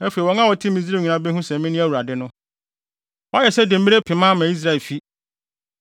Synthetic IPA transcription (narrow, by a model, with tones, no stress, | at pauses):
æ˦fe˨wɔ˨˦ŋã˦wɔ˨tʰɪ̃˦mĩ˨zi˦e˦˨ɲĩ˨nã˦bɛ˦ɦũ˦sɛ̃˨mɪ̃˦nɪ̃˦æ˦˨wu˨ɾa˨dɪ˦nʊ̃˦ | wɔ˦jɛ˨sɛ˦de˨m̩˦mi˦ɾe˦pʰɪ˨mã˦mæ̃˨i˦s̬ɾa˦˨lfi˦